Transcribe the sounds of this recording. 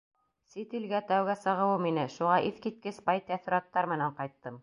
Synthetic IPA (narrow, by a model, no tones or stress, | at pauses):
sit̪ilɡæt̪æwɡæsɤ̆ʁɤ̆wɤminɘʃuʁɑʔiθkit̪̚kɘspɑjt̪æθ̆ɾɑt̪ːɑɾmɘ̆næɴqɑjt̪ːɤm